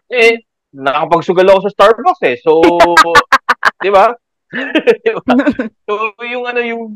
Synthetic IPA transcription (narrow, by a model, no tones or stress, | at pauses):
ɛ | nɐɐkɐpɐɡ̚sʊɡɐloɐkosɐst̪aɹboksɛso | d̪ɪba | d̪ɪbasojʊŋɐno̞jʊŋ